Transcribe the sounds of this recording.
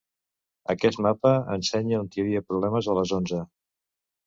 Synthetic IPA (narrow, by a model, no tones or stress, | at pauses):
əkɛst̪mapəənsɛɲəunt̪iəβiəpɾuβlɛməzələzonzə